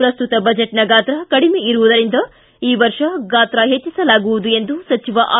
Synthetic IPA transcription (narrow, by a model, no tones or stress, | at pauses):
pɾɐst̪ut̪ɐbɐd͡ʒeʈnɐɡaːt̪ɾɐkɐɽimeiɾuʋud̪ɐɾind̪ɐ | iːʋɐɾʂɐɡaːt̪ɾɐɦet͡ʃːisɐlaːɡuʋud̪ue̞nd̪usɐt͡ʃiʋɐʔaː